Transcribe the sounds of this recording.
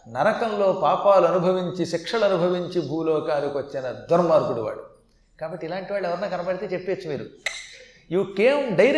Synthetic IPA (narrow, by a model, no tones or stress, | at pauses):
nɐɾɐkɐmlo̞ːpaːpaːluɐnubʱɐʋiɲt͡ʃiʃikʂɐlɐnubʱɐʋiɲt͡ʃibʱuːlɔːkaːnikiʋɐt͡ʃːinɐd̪ɐɾmaːɾɡuɽuʋa̰ːɭːu | kaːbɐʈːilaːɳʈiʋaːɭːɛʋɐɾɐnaːkɐnɐbɐɽit̪eːt͡ʃepːe̞ːt͡ʃːumiːɾu | iʋukeːmɖɐjɾ